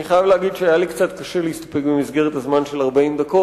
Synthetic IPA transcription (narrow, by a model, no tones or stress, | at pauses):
niχajavleaɡid̪ʃeajalikt͡sat̪kaʃeleist̪o̥pekbemizɡeʁ̞et̪hazmanʃe̞laʁbaimd̪ako